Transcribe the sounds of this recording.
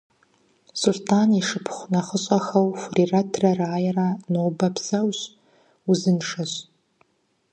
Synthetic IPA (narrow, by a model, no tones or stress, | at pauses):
sʊɮtʰaniʂɨpʰχʷnaχəɕʷʼaxawfriratʰraraːjranowbapʰsawɕ | uzɨnʂaɕ